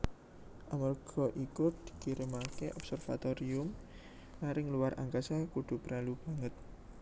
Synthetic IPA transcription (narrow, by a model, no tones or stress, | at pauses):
ʔamərɡ̥ɔ̤ʔikud̪̥i̤̥kiɾəmakeʔɔbsɛrfa̰t̪oɾiʊm | naɾɪŋluwarʔa̰ŋkasakuɖ̪̥ṳpəɾalub̥a̤ŋət̪̚